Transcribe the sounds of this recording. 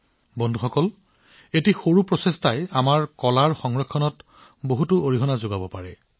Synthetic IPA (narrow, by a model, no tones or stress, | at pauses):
bɔndʱuxɔkɔl | etixoɹupɹɔsestajamaɹkɔlaɹxɔŋɹɔkʰːɔnɔt | boɦutʊoɹiɦɔnazoɡabɔpaɹɛ